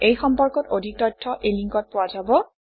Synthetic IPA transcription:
ejxɔmpɔɹkɔtodʱik̚tɔjtʰːɔʔeliŋkɔt̚pʊwazabɔ

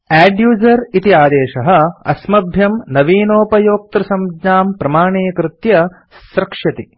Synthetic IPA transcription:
æːɖjuːzɐɾit̪iaːd̪eːʃɐɦɐ̆ɐ̰smɐbʱjɐmnɐʋiːnoːpɐjoːk̚t̪ɾɐsɐmdɲaːmpɾɐmaːɳeːkɾɪt̪jɐ | sɾɐkʂɐt̪i

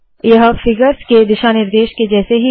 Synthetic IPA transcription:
jɐɦfɪɡəɾsked̪ɪʃaːnɪɾd̪eːʃked͡ʒɛːseɦi

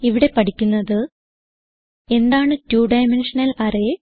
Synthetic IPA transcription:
iʋiɽe̞pɐʈʰikʲːunːɐðɨ | e̞nd̪aːɳɨtjuːɖɐjmenʂɐnɐlɐɾe

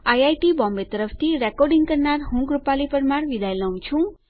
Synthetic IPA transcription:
ajajʈibɔ̃mbet̪əɾəpʰt̪ʰiɾekɔɾɖiŋɡkəɾnaɾɦũɡɾupalipəɾmaɽʋid̪ajlaw̃t͡ʃʰũ

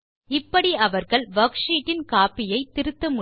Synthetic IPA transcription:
ɪpːɐɽiɐʋɐɾɣɐɭʋɐkʂiːʈːɪnkaːpːɪjɐɪt̪ːɪɾɯt̪ːɐmʊ

